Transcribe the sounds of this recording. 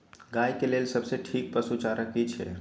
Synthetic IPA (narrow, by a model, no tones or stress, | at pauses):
ɡajkeleːlsəbseʈʰiːk̚pəsut͡ʃaɾəkit͡ʃʰɛ̰